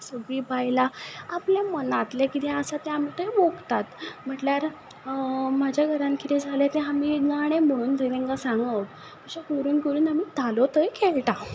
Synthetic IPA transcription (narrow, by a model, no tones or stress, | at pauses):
səɡɾiːbajlaapljamənat̪lekit̪ɛ̃əsat̪ɛ̃amiːt̪əjʋoɡt̪at̪m̤əʈljaɾ | mad͡ʑjaɡʱəɾãnkʰit̪ɛ̃d͡zʱalɛt̪ɛɦamiːɡaɽ̃em̤əɽ̃uːnt̪ət̪ɛ̃ŋkasãŋɡa | məɕakoɾuːnkoɾuːnamiːt̪alot̪əjkɛlʈa